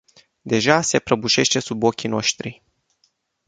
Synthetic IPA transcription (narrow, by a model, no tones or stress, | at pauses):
d̪e̞ʒase̞pɾəbuʃe̞ʃt̪e̞subo̞kʲino̞ʃt̪ɾi